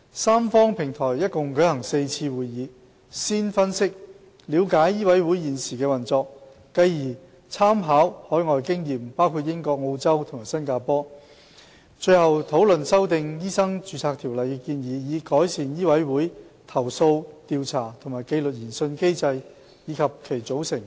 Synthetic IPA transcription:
saː˥mfɔː˥ŋpʰɪ˨˩ŋt̪ʰɔː˨˩jjɐ˥t̚kʊ˨ŋkɵ˨˥hɐ˨˩ŋse˧jt͡sʰiː˧wuː˨jjiː˨˧ | siː˥nfɐ˥nsɪ˥k̚ | liː˨˧wkaː˨˥jːiː˥wɐ˨˥jwu˨˥jiː˨nsiː˨˩kɛː˧wɐ˨nt͡sɔː˧k̚ː | ɐ˨˧jjiː˨˩ | t͡sʰaː˥mɦaː˨˥whɔː˨˥jŋɔː˨jkɪ˥ŋjiː˨mpaː˥wkʰu˧t̚jɪ˥ŋkɔː˧k̚ŋo˧wt͡sɐ˥wt̪ʰʊ˨˩ŋmaː˨˩jsɐ˥nkaː˧pɔː˥ | t͡ʃɵ˧ɥhɐ˨wt̪ʰo˨˥wlɵ˨nsɐ˥wt̪ɪ˨˧ŋjiː˥sɐ˥ŋt͡ʃyː˨˧t͡sʰaː˧k̚t̪ʰi˨˩wlɐ˨jkɛ˧kiː˧njiː˨˧jiː˨˧kɔː˨˥jsiː˨njiː˥wɐ˨˥jwuː˨˥j | t̪ʰɐ˨˩wso˧wt̪iː˧wt͡sʰaː˨˩t̪ʰŋmaː˨˩jke˧jlɵ˨t̚jiː˨˩nsɵ˧nke˥jt͡sɐ˧j | jiː˨˧kʰɐ˨p̚kʰe˨˩jt͡so˨˥wsɪ˨˩ŋ

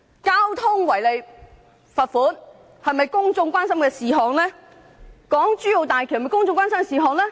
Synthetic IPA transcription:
kaː˥wt̪ʰʊ˥ŋwɐ˨˩jle˨j | fɐ˨t̚fuː˨˥n | hɐ˨jmɐ˨jkʊ˥ŋt͡sʊ˧ŋkʷaː˥nsɐ˥mkɛː˧siː˨˩ɦɔː˨˩ŋlɛː˥ | kɔː˨˥ŋt͡ʃyː˥jo˨wt̪aː˨jkʰm˨kʊ˥ŋt͡sʊ˧ŋkʷaː˥nsɐ˥mkɛ˧siː˨˧ɦɔː˨ŋlɛː˥

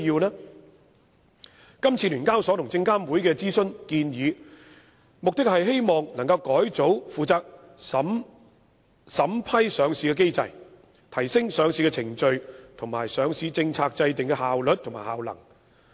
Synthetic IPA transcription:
jiː˧wnɛː˥ | kɐ˥mt͡sʰiː˧lyː˨˩nkaː˥wsɔ˨˥t̪ʰʊ˨˩ŋt͡sɪ˧ŋkaː˥mwu˨˥jkɛː˧t͡siː˥sɵ˥nkiː˧njiː˨˧ | mʊ˨k̚t̪ɪ˥k̚hɐ˨jɦe˥jmɔː˨ŋnɐ˨˩ŋkɐ˧wkɔː˨˥jt͡so˨˥wfuː˨˩t͡saː˧k̚ | m | sɐ˨˥mpʰɐ˥jsœː˨˧ŋsiː˨˧kɛː˧ke˥jt͡sɐ̰˧j | t̪ʰɐ˨˩jsɪ˥ŋsœː˨˧ŋsiː˨˧kɛ˧t͡sʰɪ˨˩ŋt͡ʃɵ˧ɥt̪ʰʊ˨˩ŋmaː˨˩jsœː˨˧ŋsiː˨˧t͡sɪ˧ŋt͡sʰaː˧k̚t͡sɐ˧jt̪ɪ˨ŋkɛ˧haː˨wlɵ˨t̪̚ʰʊ˨˩ŋmaː˨˩ha̰ː˨wlɐ̰˨˩ŋ

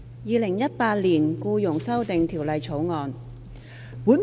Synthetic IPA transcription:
jiː˨˧lɪ˨˩ŋjɐ˥t̚paː˧t̚liː˨˩nkuː˧jʊ˨˩ŋsɐ˥wt̪ɪ˨ŋt̪ʰiː˨˩wlɐ˨jt͡sʰo˨˥wŋɔː˧n | wuː˨˥n

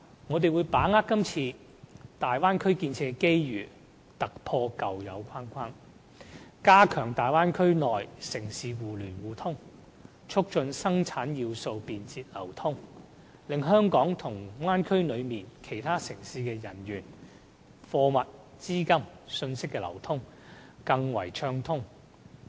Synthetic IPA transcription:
ŋɔː˨˧t̪̬e˨jwu˨˧jpaː˨˥ŋaː˥k̚ːɐ˥mt͡sʰiː˧ | t̪aː˨jwaː˥nkʰɵ˥ɥkiː˧nt͡sʰɛː˧ke˥jjyː˨ | t̪ɐ˨k̚pʰɔː˧kɐ˨wjɐ̰˨˧wkʷʰaː˥nkʷʰaː˥n | kaː˥kʰœː˨˩ŋt̪aː˨jwaː˥nkʰɵ˥ɥnɔː˨jsɪ˨˩ŋsiː˨wuː˨˩lyː˨˩nwuː˨˩t̪ʰʊ˥ŋ | t͡ʃʰʊ˥k̚t͡ʃɵ˧nsɐ˥ŋt͡sʰaː˨˥nji˧wso˧wpiː˧nt͡siː˧t̚lɐ˨˩wt̪ʰʊ˥ŋ | lɪ˨ŋɦœː˥ŋkɔː˨˥ŋt̪ʰʊ˨˩ŋwaː˥nkʰɵ˥ɥlɵ˨˧ɥmiː˨nkʰe˨˩jt̪ʰaː˥sɪ˨˩ŋsiː˧kɛː˧jɐ˨˩nɥyː˨˩n | fɔː˧mɐ˨t̚t͡siː˥kɐ˥msɵ˧nsɪ˥kːɛː˧lɐ̰˨˩wt̪ʰʊ˥ŋkɐ˧ŋwɐ̰˨˩jt͡ʃʰœː˧ŋt̪ʰʊ˥ŋ

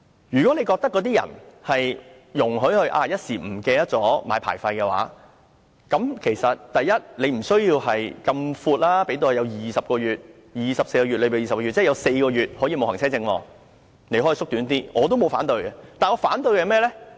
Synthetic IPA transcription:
jyː˨˩kɔ˨˥ne˨˧jkɔː˧k̚t̪ɐ˥kːɔ˨˧t̪̬iː˥jɐ̰˨˩nhɐ˨j | jʊ˨˩ŋɦɵ˨˧˥ɥhɵ˧ɥʔa̰ː˧jɐ˥t̚siː˨˩m̩˨˩kɛː˧jɐ˥t̚t͡sɔː˨˥maː˨˧jpʰa̰ː˨˩jfɐ˧jkɛ˧wa̰ː˨˥ | kɐ˨˥mkʰe˨˩jsɐ˨t̚t̪ɐ˨jːɐ˥t̚le˨˧m̩˨˩sɵ˥ɥjiː˧whɐ˨jkɐ˧mfuː˧t̚laː˥pe˨˥jt̪o˧hɐ˨˧jɐ˨˧wjiː˨sɐ˨p̚kɔː˧jyː˨t̚ | jiː˨sɐ˨p̚se˧jkɔː˧ɥyː˨t̚le˧pːjiː˨sɐ˨p̚kɔː˧˥y˨t̚t͡sɛː˥˩jɐ˨˧wse˧jkɔː˧jyː˨t̚hɔː˨˥jiː˧mo˨whɐ˨˩ŋt͡sʰɛː˥t͡sɪ˧ŋwɔ̰ː˧ | ne˨˧jhɔː˨˥ji˧sʊ˥k̚t̪yː˨˥nt̪iː˥ŋɔː˨˧t̪o˥wmo˨˧wfaː˨˥nt̪ɵ˧ɥkɛ˧t̪aː˨˩nɔː˨˧faː˨˥nt̪ɵ˧ɥkɛ˧mɛː˥lɛ˥

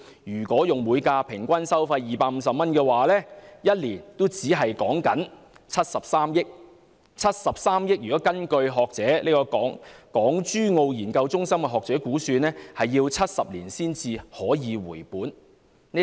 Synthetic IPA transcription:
jyː˨˩kʷɔː˨˥jʊ˨ŋmuː˨˧jkaː˧pʰɪ˨˩ŋkʷɐ˥nsɐ˥wfɐ˧jːiː˨paː˧k̚m̩˨˧sɐ˨p̚mɐ˥nkɛː˧waː˨lɛː˥jɐ˥t̚liː˨˩nt̪o˥wt͡siː˨˥ɦɐ˨jkɔː˨˥ŋkɐ˨˥n | t͡sʰɐ˥t̚sɐ˨p̚saː˥mjɪ˥k̚ | t͡sʰɐ˥t̚sɐ˨p̚saː˥mjɪ˥k̚jyː˨˩kɔː˨˥kɐ˥nkɵ˧ɥɦɔː˨k̚t͡sɛː˨˥liː˥kɔː˧kːŋkɔː˨˥ŋt͡ʃyː˥ŋo˧wjiː˨˩nkɐ˧wt͡sʊ˥ŋsɐ˥mkɛ˧ɦɔː˨k̚t͡sɛː˨˥kuː˨˥syː˧nɛː˥hɐ˨jːiː˧wt͡sʰɐ˥t̚sɐ˨p̚liː˨˩nsiː˥nt͡siː˧hɔː˨˥jiː˨˧wuː˨˩jpuː˨˥n | n˥

